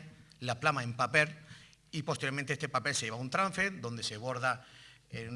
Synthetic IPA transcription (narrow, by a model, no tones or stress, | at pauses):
laplamaempapelipost̪eɾjoɾmẽnt̪eest̪epapelseʝeβaunt̪ɾãɱfed̪o̞nd̪e̞se̞βo̞ɾðaen